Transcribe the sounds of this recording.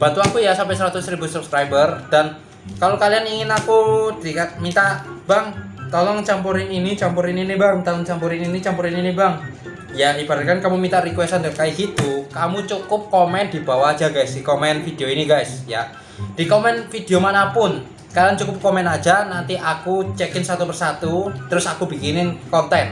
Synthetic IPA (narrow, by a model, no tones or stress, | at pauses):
b̥at̪uakujasampɛsəɾat̪ʊsɾibʊsub̥skɾajbərd̥an | kalokalianiŋɪnakud̥ikamint̪ab̥aŋ | t̪ɔlɔŋt͡ʃampuɾɪninit͡ʃampuɾɪninibaŋt̪ɔlɔŋt͡ʃampuɾɪninit͡ʃampuɾɪninibaŋ | jaib̥aɾakankamumint̪aɾikwɛst̪anakajiɡit̪ukamut͡ʃukʊp̚kɔmɛnd̪̥i̤b̥awḁːd͡ʒaɡajsd̥ikɔmɛnfid̥eoiniɡajsja | d̥i̤kɔmɛnfid̥eomanapʊn | kaliant͡ʃukʊp̚kɔmɛnḁd͡ʒ̥anant̪iʔakut͡ʃɛkɪnsat̪upərsat̪ut̪əɾʊsakubikinɪnkɔnt̪ɛn